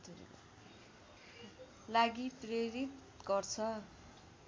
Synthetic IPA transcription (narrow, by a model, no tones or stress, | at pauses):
t̪ʰuɾḭko̰ | laɡipreɾit̪ | ɡʌrt͡sʰʌ